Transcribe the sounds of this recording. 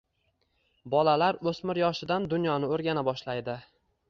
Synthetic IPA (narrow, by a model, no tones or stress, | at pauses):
bɒlalaɾɵsmɪɾjɒʃɪd̪and̪ʊnjɒnɪoɾɡʲanabɒʃlajd̪ɪ